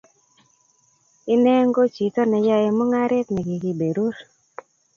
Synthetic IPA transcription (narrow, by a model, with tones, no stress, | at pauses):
ɪ˦nɛ˦ŋɡo˦t͡ʃi˨tɔ˦nɛ˨ja˦e˨mɔ˦ŋa˦ɾɪ˦t̪nɛ˨ɡɪ˨ɡi˨be˨ɾu˦ɾ